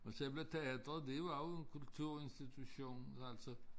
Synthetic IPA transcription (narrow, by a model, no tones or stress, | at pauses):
ɒseb̥let͡sʰeæd̥ʁɐdeʋɑenkʰult͡sʰuɐ̰e̝nsd̥it͡sʰuɕo̝̰ːnæl̰sɒ